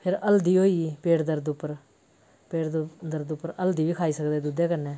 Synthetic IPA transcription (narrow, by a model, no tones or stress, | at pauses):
pʰɪɾəld̪iːɦoːipeːʈd̪əɾd̪ʊpːəɾ | peːɽd̪əɾd̪ʊpːəɾəld̪iːʋiːkʰaːiːsəkd̪eːd̪uːd̪eːkənːɛ̃ː